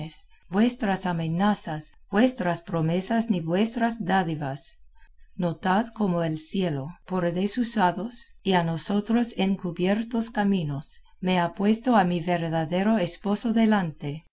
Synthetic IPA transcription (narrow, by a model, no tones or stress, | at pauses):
es | bwe̞st̪ɾasamenasasb̥we̞st̪ɾaspɾomesasniβwe̞st̪ɾasd̪aðiβas | not̪aðko̞moelsjelopoɾðesusaðosianosot̪ɾo̞seŋkuβjeɾt̪oskamĩnos | me̞apwe̞st̪oamiβeɾðaðeɾo̞espo̞so̞ðelant̪e